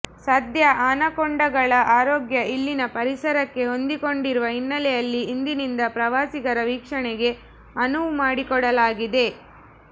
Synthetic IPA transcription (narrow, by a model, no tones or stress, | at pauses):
sɐd̪jɐʔaːnɐkɔɳɖɐɡɐɭɐʔaːɾoːɡjɐʔilːinɐpɐɾisɐɾɐkːe̞ɦo̞nd̪iko̞ɳɖiɾuʋɐɦinːɐlɛjɐlːiːnd̪inind̪ɐpɾɐʋaːsiɡɐɾɐʋiːkʂɐɳɛɡe̞ | ɐnuʋumaːɽikɔɽɐlaːɡid̪e̞